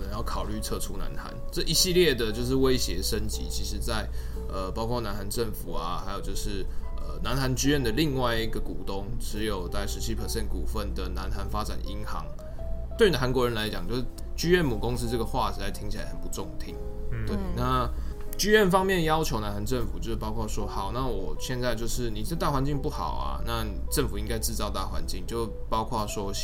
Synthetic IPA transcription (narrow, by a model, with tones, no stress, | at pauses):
ə˨nə˧˦ŋjɑ˥˩ʊkʰɑ˨˩ʊly˥˧t͡sʰɤ˥˧ʈ͡ʂʰu˥na̰˧˦nxa̰˧˦nʈ͡ʂə˥˩ʔi˧˥ɕi˥˧ljɛ˥˩d̪ə˨t͡ɕjo˥˧ʊʂ̬ɻ̩˥˩we˦˥ɪɕjɛ˧˥ʂə˦˥nt͡ɕḭ˧˥t͡ɕʰi˧˥ʂɻ̩˧˦t͡sa˥˩ɪ | ə˨˩pɑ˥ʊkʰwɔ˥˩na˧˥nxa˧˥nʈ͡ʂə˥˩ŋfu˨˩a˩xa˧˥ɪjo˨˩t͡ɕjo˥˧ʊʂɻ̩˥˩ | ə˨˩na˧˦˥nxa˧˥nt͡ɕy˥ɥɛ˥˩nd̪ə˩li˥˧ŋwa˥˩ɪi˦ɡə˨˩ku˨˩t̪o˦ŋʈ͡ʂʰɻ̩˧˦˥jo˨˩ʊt͡sa˥˩ɪʂɻ̩˧˥ɕʰi˥˩pʰə˨˩ɕjɛ˥˩nkṵ˨˩fə˥˩nd̪ə˩na˧˦nxa˧˥nfa˥ʈ͡ʂa˨˩nʔḭ˧˥ŋxɑ̰˧˦˥ŋ | t̪we˥˩y˧n˨˩xa˧˥nkwɔ˧˥ɻə˧˦nla˧˥ɪt͡ɕjɑ˨˩ŋt͡ɕjo˥˧ʊʂ̩˥˩ | t͡ɕy˥ɥɛ˥˩nmu˨˩kʊ˥ŋs̩˥ʈ͡ʂɤ˥˩ɡə˩xwa˥˩ɻ̩˨˥t͡sa˥˩ɪt̪ʰi˧˥ŋt͡ɕʰla̰˧ɪhə˨˩npu˧˦t͡sʊ˥˧ŋt̪ʰi˧˥ŋt̪we˥˩ɪna˥˩t͡ɕy˥ɥɛ˥˩nfɑ˥ŋmjɛ˥˨˩njɑ˥ʊt͡ɕʰjo˧˥na˧˥nha˧˥nʈ͡ʂə˥˩nfu˨˩t͡ɕjo˥˧ʂpɑ˥ʊkʰaɑ˥˩ʂwɔ˥xɑ˨˩ʊna˥˨wɔ˨˩ɕjɛ˥˧nt͡sa˥˧ɪt͡ɕjo˥˧ʊʂɻ̩˥˩ni˨˩˥t̪a˥˩xwa˧˦nt͡ɕi˥˧ŋpu˥˩xɑ̰˨˩ʊɐ̰˩na˥˩ni˨˩ʈ͡ʂə˥˩ŋfu˨˩i˧˥ŋka˥ɪʈ͡ʂɻ̩˥˧t͡sɑ˥˧ʊt̪a˥˩xwa̰˧˦nt͡ɕi˥˩ŋt͡ɕjo˥˩ʊpɑ˥ʊkʰwɑ˥˩ʂwɔ˥